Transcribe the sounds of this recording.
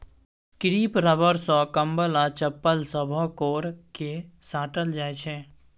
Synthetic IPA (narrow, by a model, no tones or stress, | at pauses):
kɾiːpɾəbəɾsɔ̃kəmbəlat͡ʃəpːəlsəbʱɔkoːɾkesaːʈəld͡ʒaːet͡ʃʰɛ